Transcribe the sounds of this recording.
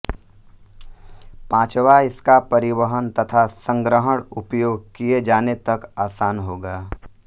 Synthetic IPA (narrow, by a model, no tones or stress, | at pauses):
pãːt͡ʃʋaɪskapɐɾɪwəɦənt̪ɐt̪ʰasə̃ŋɡɾəɦəɽ̃ʊpjoːɡ̚kied͡ʒaːnet̪ɐkaːsaːnɦoːɡaː